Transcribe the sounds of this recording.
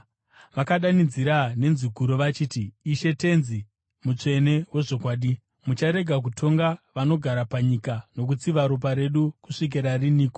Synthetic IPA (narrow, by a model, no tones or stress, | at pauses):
ʋakaɗanid͡ziɾane̞nziɡʱuɾo̞ʋat͡ʃiːtiːʃe̞te̞nzi | mut͡ʂe̞ne̞ɦwe̞ʐo̞kwaːɗi | mut͡ʃaɾe̞ɡʱakutʰo̞ŋɡaʋano̞ɡʱaɾapaɲikano̞k̬ut͡siʋaɾop̬aɾe̞ɗukuʂik̬iɾariniːko